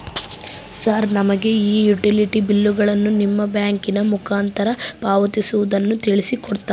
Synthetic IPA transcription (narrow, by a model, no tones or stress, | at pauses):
saːɾnɐmɐɡe̞iːjuʈiliʈibilːuɡɐɭɐnːunimːɐbjaːŋkinɐmukʰaːnt̪ɐɾɐpaːʋɐt̪isuʋud̪ɐnːut̪iɭisikɔɽt̪a